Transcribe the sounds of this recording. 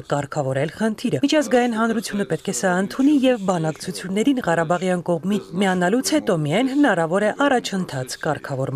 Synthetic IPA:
kɑɾkʰɑvɔɾɛlχənt̪ʰiɾəmit͡ʃʰɑzɡɑjinɦɑnɾut͡sʰjunəpɛt̪̚kʰɛsɑənt̪ʰunijɛvbɑnɑkt͡sʰut͡sʰjunːɛɾinʁɑɾɑbɑʁjɑnkɔʁmit͡sʰmiɑnɑlut͡sʰhɛt̪ɔmiɑjnhənɑɾɑvɔɾɛʔɑrɑt͡ʃʰənt̪ʰɑt͡sʰkɑɾkʰɑvɔɾm

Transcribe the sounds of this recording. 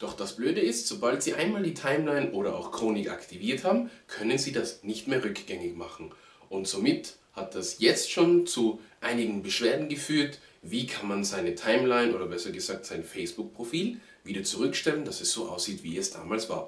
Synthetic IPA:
d̥ɔχd̥asb̥løːdəɪstz̥obaltz̥iːʔaɪnmaːldiːtʰaɪmlaɪnʔoːɾɐʔa̰ʊxkʁ̥oːnɪkʔa̰ktʰiviːɐthaːbm̩kʰœnənziːdasnɪçtmeːɐʁʏkɡ̥ɛŋɪçmaχn̩ | ʔʊntz̥oːmɪt | hat̚d̥asjɛt͡stʃoːnt͡suʔaɪnɪɡŋ̩bəʃv̥eːɐdn̩ɡəfyːɐt | viːkʰanmanzaɪnətʰaɪmlaɪnʔoːdɐbɛsɐɡəzaːk̚tz̥aɪnfɛɪsb̥ʊk̚pʁ̥ofiːl | viːdɐt͡suʁʏkʃtɛlənd̥asɛsz̥oːʔa̰ʊsz̥iːtv̥ḭɛsd̥a̰ːmaːlsv̥a̰ːɐ

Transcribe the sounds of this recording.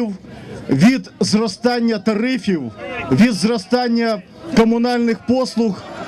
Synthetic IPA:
wʋʲid̪zrɔst̪ɑnʲːɐt̪ɐɾɪfʲiwʋʲid̪zrɔst̪ɑnʲːɐ | kɔmʊnɑlʲnɪxpɔslˠux

